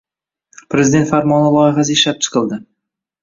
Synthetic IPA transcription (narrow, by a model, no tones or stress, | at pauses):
pʰɾezɪd̪e̞nt̪faɾmɒnɪbɒjɪʁaseʃlap̚t͡ʃʰɨ̥qʰɨlˠd̪ɪ